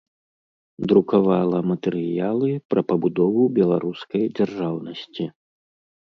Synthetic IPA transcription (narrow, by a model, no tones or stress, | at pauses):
d̪ɾukavalˠɐmɐt̪ɛɾɨjalˠɨpɾɐpɐbud̪ɔvubʲɛlˠaɾuskɐjd͡zʲarʐawnɐsʲt͡sʲi